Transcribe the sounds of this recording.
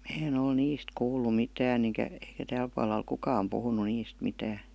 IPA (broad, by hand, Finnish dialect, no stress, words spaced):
mæ en ol niːst kuːlˑu mitæːn eŋkæ eikæ tæːl puɑlˑɑ oi kukɑm puhunu niːst mitæːn̞